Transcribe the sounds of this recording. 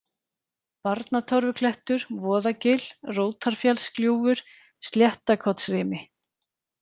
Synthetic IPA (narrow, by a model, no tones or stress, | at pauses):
paɾt̪nat̪ʰɔɾvʏkʰlɛht̪ʏɾ̥vɔːðacɪl̥roːwt̪ʰaɾ̥fjɛlskljuːvʏɾ̥ | st̪ljɛht̪akʰɔt̪srɪːmɪ